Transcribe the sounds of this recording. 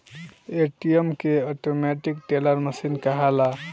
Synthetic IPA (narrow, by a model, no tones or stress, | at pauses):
eʈiemkeɔʈomɛʈik̚ʈeləɾməsinkəɦala